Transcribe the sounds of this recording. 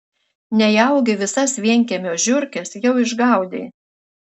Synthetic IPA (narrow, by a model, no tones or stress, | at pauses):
nʲɛjɛʊɡʲɪʋʲɪsɐsʋʲiɛŋʲkʲɛmʲoːʒʲʊɾʲkʲɛsjɛʊɪʒɡɑˑʊd̪ʲḛː